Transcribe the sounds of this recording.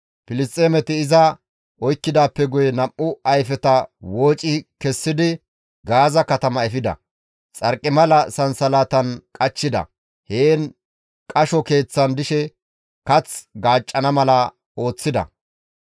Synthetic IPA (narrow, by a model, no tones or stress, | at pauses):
pɪlɪst̪ʼeːmɛt̪ɪːɪzɐ | ʔɔjkːɪd̪aːpːɛɡʊjɛnɐʔʔʊɐjfɛt̪ɐwo̞ːt͡ʃʼɪkɛsːɪd̪ɪ | ɡaːzɐkɐt̪ɐmɐɛfɪd̪ɐ̰ | t͡sʼɐɾkʼːɪmɐlɐsɐnsɐlaːt̪ɐnkʼɐt͡ʃːɪd̪ɐ̰ | heːn | kʼɐʃɔke̞ːt͡sːɐnd̪ɪʃɛ | kɐt͡sɡaːt͡ʃʼːɐnɐmɐlɐ | o̞ːt͡sːɪd̪ɐ̰